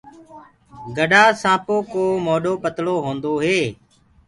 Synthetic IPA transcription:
ɡəɗaːsãːpoːkoːmoːɗoːpət̪loːɦõːnd̪oːɦeː

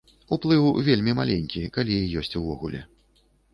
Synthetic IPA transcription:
uplˠɨwvʲelʲmʲimalʲenʲkʲikalʲijɔsʲt͡sʲuvɔɣulʲɛ̰

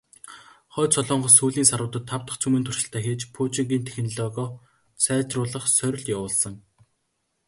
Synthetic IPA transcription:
χœːt͡sʰɔɮʊːɴɢɞ̆suːɮiːnsaɾʊːt̪ə̆t̪ʰːawt̪ə̆χt͡sʰumɘ̆nt̪ʰur̥ʃɪ̆ɬt̪ʰæːxeːt͡ɕpʰuːt͡ɕiŋɡʲiːnt̪ʰexɘ̆nɮɔːɣɔː | t͡sʰæːt͡ɕrʊːɮə̆χsœɾ̆ʲɮjawʊːɮsə̆ŋ

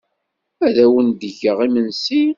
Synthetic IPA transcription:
æðæwənd̪əʝəʁimənsi

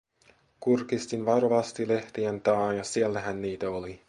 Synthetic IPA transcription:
kurkist̪inʋɑroʋɑst̪ile̞ht̪iænt̪ɑːnjɑsielːæɦænːiːt̪æoli

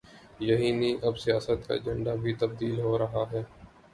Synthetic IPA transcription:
jɐɦiːniːʔɐbsɪjaːsət̪ka̰ːd͡ʒə̃ɳɖaːbʱiːt̪əb̚d̪iːlɦoːɾɐɦaːɦɛː

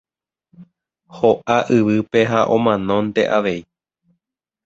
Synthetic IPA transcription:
hoʔaʔɨʋɨpe̞ɦaʔõ̞mãnõ̞nt̪e̞̰ʔaʋe̞i

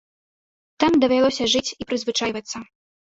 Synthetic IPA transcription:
t̪amd̪ɐvʲalˠɔsʲɐʐɨt͡sʲipɾɨzvɨt͡ʂajvɐt̪sːɐ

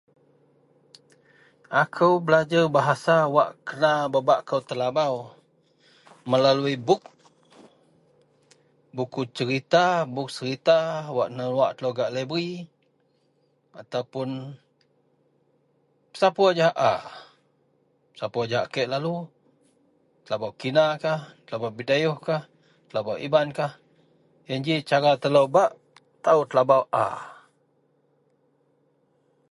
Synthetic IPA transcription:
akʰəwbəlad͡ʒarbaɦasawaʔkənababaʔkəwt̪əlabaw | məlaluibʊk̚ | bukut͡ʃəɾit̪abʊk̚səɾit̪awaʔnəluaʔt̪əloɡaʔləbɾi | at̪awpʊn | pə̥sapuad͡ʒaɦaʔa | pə̥sapuad͡ʒaɦaʔkeʔlalu | t̪əlabawkinakaht̪əlabawbidajuhkah | t̪əlabawʔḭmankah | jand͡ʒit͡ʃaɾat̪əlowbaʔ | t̪aut̪əlabawʔa̰

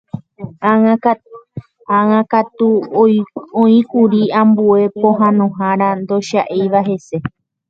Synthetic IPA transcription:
ãŋãkat̪u | õĩkuɾiãmbue̞põ̞ɦãnõɦãɾand̪o̞ʃaʔejʋaɦe̞se̞

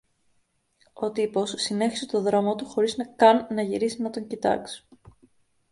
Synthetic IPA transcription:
o̞t̪ipo̞sːine̞çi̥set̪o̞ðɾo̞mot̪uxo̞ɾiznɐkɐnːɐʝiɾisinɐt̪o̞ɲcit̪ɐ̰ksi̥

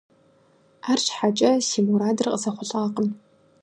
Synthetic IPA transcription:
aːrʃħat͡ʃʼɐsiːmuɾaːdɨrqʼəsɐχʷʊɬʼaːqən

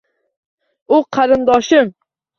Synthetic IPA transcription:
ʊqʰɑɾɪnd̪ɒʃɪm

